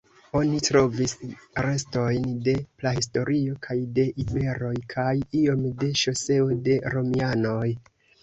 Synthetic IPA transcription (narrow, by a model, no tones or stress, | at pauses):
o̞nitɾo̞visɾe̞sto̞jnde̞plahisto̞ɾʔio̞kʰajde̞ʔibe̞ɾo̞jkʰajio̞mde̞ʃose̞ode̞ɾo̞miano̞j